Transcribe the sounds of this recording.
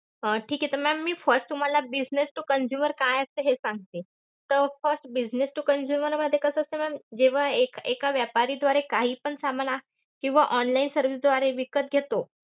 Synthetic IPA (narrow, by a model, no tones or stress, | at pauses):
əʈʰiːkɦet̪əmɛmːiːfəɾsʈt̪um̤alabid͡ʑnesʈukənd͡ʑjuməɾkajəseɦesãŋɡ̚t̪e | t̪əɾfəɾsʈbid͡ʑnesʈukənd͡ʑjuməɾməd̪ʱːjekəsəəsemɛmd͡ʑeʋ̤aekekaʋjapaɾiːd̪ʋaɾekaɦiːpəɳsaməna | kĩw̃ʋaʔɔnlainsəɾʋis̬d̪ʋaɾeʋikət̪̚ɡʱet̪o